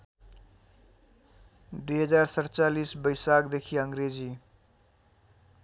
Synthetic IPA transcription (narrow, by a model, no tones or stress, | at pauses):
d̪ujɦʌd͡zaɾsʌɾt͡salisbʌjsakd̪ekʰiʌŋɾed͡zi